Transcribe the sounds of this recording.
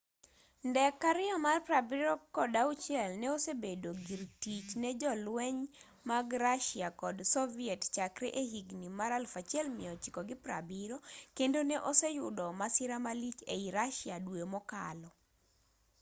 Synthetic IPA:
ndɛkːaɾɪɔmarpɾabiɾɔkɔdaut͡ʃjɛlnɛosebedoɡiɾtit͡ʃnɛd͡ʒɔlwɛɲ | maɡɾaʃiakɔdsɔviɛtt͡ʃakɾḛʔehiɡnimaɾalfat͡ʃɛlmɪɔt͡ʃɪkɔɡɪpɾa̰biɾokendonɛʔosɛjʊdɔmasɪɾamalit͡ʃeiɾaʃiadwemɔka̰lɔ

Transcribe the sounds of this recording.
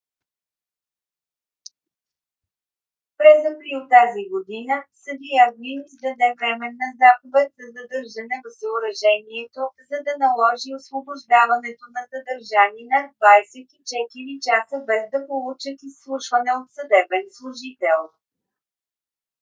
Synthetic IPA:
pɾɛzɐpɾit̪ːaziɡod̪inəsəd̪ijavninizd̪ɐd̪ɛvɾɛmɛnːɐzaxovɛt̪zɐzɐd̪ɤɾʒənɛvəvzəʊɾɐʒɛniɛt̪ozɐd̪ɐnɐlˠɔʒiosvoboʒd̪avɐnɛt̪onɐsəd̪əɾʒaninɐd̪vajsɛt̪it͡ʃɛt̪iɾit͡ʃasəbɛzd̪ɐpolˠut͡ʃət̪isːlˠuʃvənɛot̪sɐd̪ɛbɛnslˠʊʒit̪ɛlˠ

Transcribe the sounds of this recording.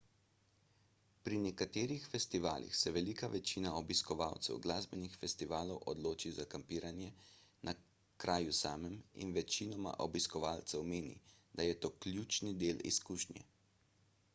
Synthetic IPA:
pɾinɛkat̪eːɾixfɛst̪iʋaːlḭxsɛʋɛlikaʋɛt͡ʃiːnaɔbiskɔʋaːwt̪sɛ̰wɡlaːzbɛnixfɛst̪iʋaːlɔwʔɔd̪loːt͡ʃizakampiːɾanjɛnʔa | kɾʔaːjusaːmɛmḭnʋɛt͡ʃinɔma̰ʔɔbiskɔʋaːlt̪sɛwmeːnḭd̪ajɛt̪oːkljuːt͡ʃnid̪eːlḭskuːʃnjɛ̰

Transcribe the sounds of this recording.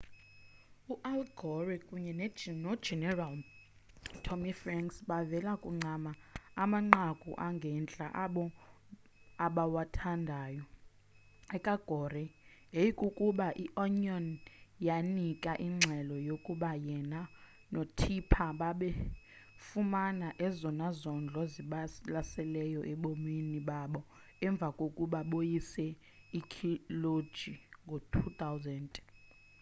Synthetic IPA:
uʔalɡʱɔrɛkʼuɲɛnnɔd͡ʒɛnɛral | tʰomifraŋksɓavɛlakʼuŋ͡ǀʱamaamaŋ͡ǀakʼṵʔaŋɡʱɛnt͡ɬʼa̰ʔ | aɓawatʰandʱaːjɔ | ɛkʼaɡ̥ʱɔrɛejikʼukʼuɓaʔiʔɔɲɔnjanikʼaʔiŋ͡ǁʱɛlɔjokʼuɓajɛna | notʰipʰaɓaɓɛ | fumanaʔɛzɔnazɔnd͡ɮʱɔziɓalasɛlɛjɔʔɛɓominiɓaɓɔ | ɛɱb̪vʱakʼokʼuɓaɓojisɛ | ikʰilo̥d͡ʒ̥ʱiŋɡʱotʰut̪ʰʼawzɛntʼ

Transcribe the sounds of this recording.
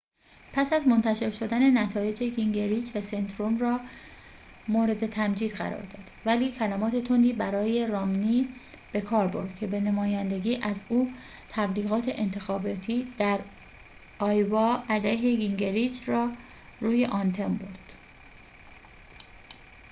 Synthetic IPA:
pʰæsæzmo̞nt̪ʰæʃe̞ɾʃo̞d̪æne̞næt̪ʰɒːje̞d͡ʒeɡiŋɟeɾiːd͡ʒvæse̞nd̪ɾo̞mrɒː | moːɾe̞d̪e̞t̪ʰæmd͡ʒiːd̪ɣæ̰ɾɒ̰ːɾd̪ɒ̰ːd̪̥væliːcʰælæmɒːt̪ʰe̞t̪ʰo̞nd̪iːbæɾɒːje̞ɾɒːmniː | b̥e̞kʰɒːɾbo̞ɾd̪̥̚cʰe̞be̞nemɒːjænd̪e̞ɡiːʔæzuː | t̪ʰæbliːɣɒːt̪ʰe̞ʔent̪ʰe̞xɒːbɒːt̪ʰiːd̪̥æɾ | ɒːjvɒːʔæd̪æɦe̞ɡiŋɟeɾid͡ʒɾɒː | ɾuːje̞ʔɒnt̪ʰe̞mbo̞ɾd̪̥

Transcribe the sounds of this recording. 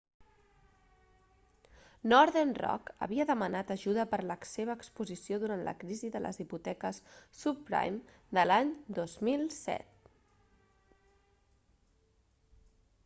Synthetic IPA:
nɔɾðenrɔ̰kə̰βiəðəmənat̪əʒuðəpəɾləkseβ̞əːkspuzisjoðuɾant̪lə̰kɾiziðələ̰zðiput̪ɛkəsːuppɾa̰jm | d̪əlaɲd̪ozmilˠsɛ̰t̪̚

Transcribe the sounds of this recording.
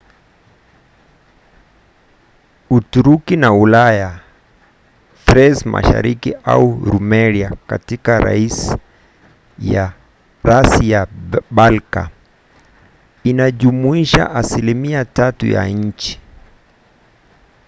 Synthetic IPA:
utuɾukinaulaja | tɾɛzmʔa̰ʃa̰ɾikiʔa̰uɾumɛɾiaka̰tikaɾa̰is | ja | ɾasijaɓalka̰ | inaʄumuiʃa̰ʔasilimiatatṵja̰ɲ̩t͡ʃi̥

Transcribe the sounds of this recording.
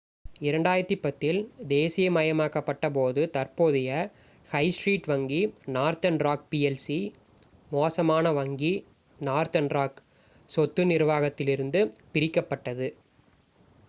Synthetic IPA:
ɪɾɐɳɖaːjɪɾɐt̪ːipːɐt̪ːɪld̪eːsɪjɐmɐjɐmaːkɐpːɐʈːɐp̬oːðɯt̪ɐrpoːðɪjɐ | hɐɪsʈɾiːʈʋɐŋɡinaːɾt̪ɐnɾaːk̚piɛlsi | moːsɐmaːnɐʋɐŋɡi | naːɾt̪ɐnɾaːk | sɔt̪ːɯnɪɾɯʋaːɣɐt̪ːɪlɪɾɯnd̪ɯpɪɾɪkːɐpːɐʈːɐðɯ

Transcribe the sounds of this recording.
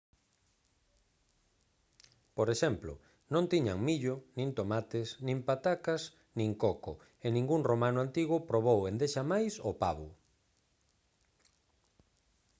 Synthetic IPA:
poɾeʃɛmplʊ̰ | nõnt̪iɲaŋmiʎʊnĩnt̪omat̪ɪsnĩmpat̪akas | nĩŋkoko̰ | enĩŋɡuŋromanʊant̪iɣʊpɾoβ̞owend̪eʃamajsopaβʊ

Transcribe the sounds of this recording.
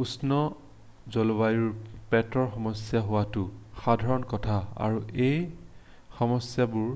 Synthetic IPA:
usnɔ | zɔlobajuɹpɛtɔɹxɔmɔsjaɦʊwatʊxadʱaɹɔnkɔtʰaa̰ɹuej | xɔmɔsjabʊɹ

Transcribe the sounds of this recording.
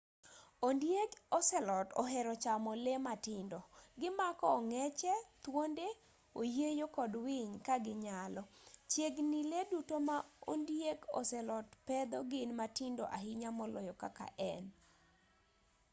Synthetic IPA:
ondjeɡɔsɛlɔtɔɦɛɾɔt͡ʃamɔlematɪndɔɡɪmakɔːŋɛt͡ʃɛt̪wonde | ojejokɔdwɪɲkaɡɪɲalɔt͡ʃjeɡniledutomao̰ndjeɡɔ̰sɛlɔtpɛd̪ɔɡɪnmatɪndɔʔaɦɪɲamɔlɔjɔka̰ka̰ʔɛn

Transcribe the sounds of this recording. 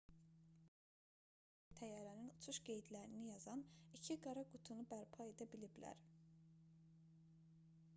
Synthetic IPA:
t̪ʰæjæɾæninut͡ʃʰuʃɡe̞jd̪læɾinijɑzɑnicʰiɡɑɾɑɡut̪ʰunubæɾpʰɑe̞d̪æbiliblæ̰ɾ

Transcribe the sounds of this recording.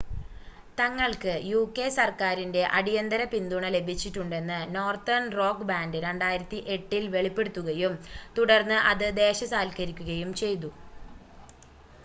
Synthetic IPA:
t̪ɐŋːɐɭkɨjuːkːe̞sɐrkaːɾinde̞ʔɐɽijɐnd̪ɐɾɐpind̪uɳɐle̞bʱit͡ɕːiʈːuɳɖe̞nːɨno̞ːrt̪ɐrnro̞ːkbaːndɨɾe̞ɳɖaːjiɾɐt̪ːiʔe̞ʈːilʋe̞ɭipːe̞ɽut̪ːuɣɐjumt̪uɽɐrnːɨʔɐðɨd̪e̞ːɕɐsaːlkɐɾikʲːuɣɐjumt͡ɕe̞jt̪̬u

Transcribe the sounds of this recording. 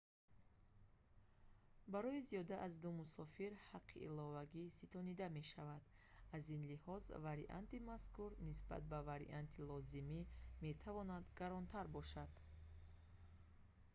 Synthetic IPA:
baɾɔiziɔd̪aʔazd̪umusɔfiɾhaqʰːḭʔḭlɔvaɡisit̪ʰɔnid̪ame̞ʃavad̪̥ | azinlihɔzvaɾiʔa̰nt̪imaskuɾnisba̰t̪̚bavaɾḭʔant̪ʰilɔzimime̞t̪ʰavɔnad̪ɡaɾɔnt̪ʰaɾbɔʃad̪̥

